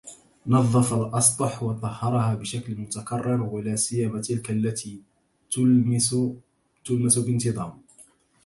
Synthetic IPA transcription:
nɑðˤːɑfɑlʔɑsˤt̪ˤɑħwɑt̪ˤɑhːɑɾˤɑhaːbɪʃaklmʊt̪akɑrˤːɪɾwalaːsɪjamat̪ɪlkalːat̪iː | t̪ʊlmasubɪnt̪ɨd̪ˤɑːm

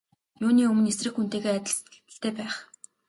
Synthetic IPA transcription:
juːniːɵmɵ̆nesrɘ̆xun̥t̪eːɣeːæt̪ʲɪ̆ɮst̪̆ɬt̪ʰeːpæːχ

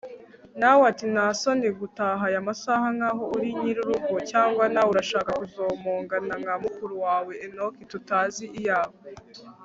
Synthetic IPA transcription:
nawatinasoniɡutaːɦajamasahaŋɡaːɦo̞uɾiɲiɾuɾuɡocaːŋɡwanawuɾaʃaːkakuzo̞ːmoːŋɡanaŋɡamukuɾuwaːwe̞ʔːnokitutaːziʔijaːβo

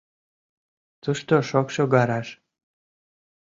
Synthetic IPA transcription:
t͡suʃt̪oʃokʃoɣɑɾɑʃ

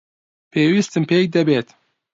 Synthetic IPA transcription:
pʰeːwist̪ɨmpʰeːk̚d̪ɐbeːt̪

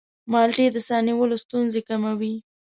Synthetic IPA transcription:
mɑlʈed̪əsɑniwəlost̪unzekamawi

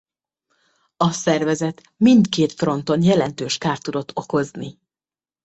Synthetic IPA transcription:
ɒsɛrvɛzɛt̪ | mint̪keːt̪fro̞nt̪o̞njɛlɛnt̪øːʃkaːrt̪ːud̪o̞t̪ʰːo̞ko̞zni

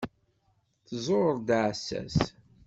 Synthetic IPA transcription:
θzˤoɾd̪ʕsːæ̰s

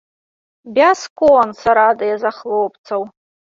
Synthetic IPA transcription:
bʲaskʼonsaɾadajazaχlowpʰʼt͡sʰaw

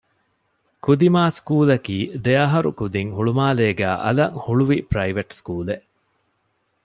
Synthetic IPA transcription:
kud̪imaːskuːlɐkiːd̪eɐɦɐɾṵkud̪iŋhuɭumaːleːɡæːʔɐ̰lɐŋhuɭuʋipɾɐiʋɐʈskuːleʔ

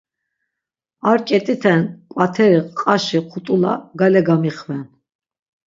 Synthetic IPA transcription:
aɾkʼɛt̪ʼit̪ʰɛnkʼwat̪ʰɛɾiqʼaʃiqʰut̪ʼula̰ɡalɛɡamiχvɛn

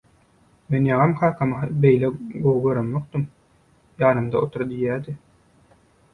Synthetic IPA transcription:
menjɑʁɑmkʰɑːkʰɑmɦɑbejleɡowɡøɾonmok̚t̪ɯm | jɑːnɯmd̪ɑʔot̪ʰuɾd̪ijæːd̪i

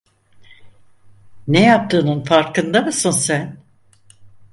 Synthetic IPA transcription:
nejap̚t̪ʰɯːnunfaɾkɯnd̪amɯsɯnsæn

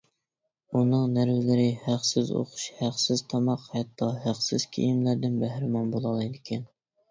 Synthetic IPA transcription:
unɨŋnæɾvɪlɪɾɪhæqsɪzo̰qʊ̥ʃhæqsɪz̥t̪ʰɑmɑqhæt̪ʰːɑɦæqsɪzkʲʰḛjimlæɾd̪ɪnbæhɾɪmɑnbolˠɑlˠɨjd̪ɪkʲʰɛn

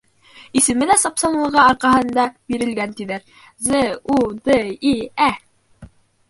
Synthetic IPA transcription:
isɘ̆mɘ̆læsɑpsɑnlˠɤ̆ʁɑɑɾqɑɦɤ̆nd̪ɑb̥iɾɘ̆lɡænt̪iðæɾ | zɘud̪ɘiæ

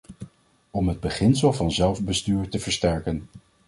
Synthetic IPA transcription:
ɔmɦəd̚bəχɪnsəlˠvɑnzɛlˠvbəstyːɹtəvəɹstɛɹkən

